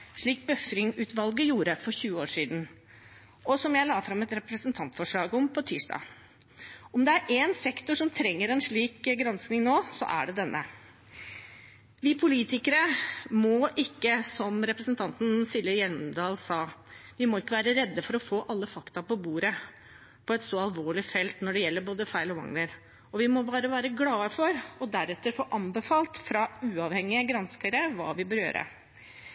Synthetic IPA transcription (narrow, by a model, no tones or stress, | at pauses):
ʂɭiːk̚bœfɾɪŋʉːt̪ʋɑlɡəjuːɾəfɔɾçʉːəoːʂiːd̪n̩ | ɔsɔmjæɪlɑːfɾɑmɛt̪ɾɛpɾəsənt̪ʰɑnt̪fɔʂɭɑːɡɔmpʰɔt̪ʰiːʂɖɑ̰ː | ɔmd̪ɛæɾʔeːnsɛkt̪ʊʂɔmt̪ʰɾɛŋːəɾɛnʂɭiːkɡɾɑnsknɪŋnoːsɔ̰ʔæ̰ɖɛd̪ɛnːə̰ | ʋɪpʰʊliːt̪ɪkəɾəmɔʔɪkːəsɔmɾɛpɾəsnt̪ʰɑnt̪n̩sɪlːəjɛlmd̪ɑːlsɑːʋɪmɔɪkːəʋæːɾəɾɛd̪ːəfɔɾɔfoːʔɑlːəfɑkt̪ɑpɔbuːɾə | pʰɔɛt̪sɔɑlʋoːɭɪfɛlt̪nɔɖɛjɛlːəɾboːd̪əfæɪlɔʋɑ̰ŋləɾ | ɔʋɪmɔbɑːɾəʋæːɾəɡlɑːəfɔɾɔd̪æɾɛt̪ːəɾfoːʔɑmbəfɑːlt̪fɾɑʉːɑʋhɛŋːɪəɡɾɑnskəɾəʋɑ̰ːʋɪbəɾjø̰ːɾʔə̰